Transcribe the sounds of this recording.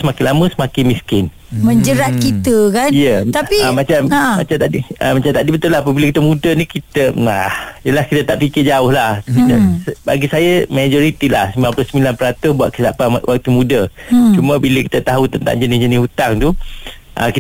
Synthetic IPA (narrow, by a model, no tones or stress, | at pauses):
səmakɪnlamə̃səmakɪnmiskɪn | məɲd͡ʒəɾat̪̚kit̪əkanijət̪apimat͡ʃammat͡ʃamt̪aʔdiəmat͡ʃamt̪aʔdibət̪ʊlahapəbiləkit̪əmudənikit̪əahjəlahkit̪ət̪aʔfikɪrd͡ʒaʊhlahkit̪əsba̰ɡisajamad͡ʒɔɾit̪ilahsimiaplʊsəmilanpəɾat̪ʊsbua̰ʔ̪̚kəsapaa̰ʔwʔak̚t̪umudət͡ʃuməbiləki̥t̪ət̪aɦut̪ənt̪a̰ŋd͡ʒənɪsd͡ʒənɪsut̪aŋt̪u | ʔə̰ki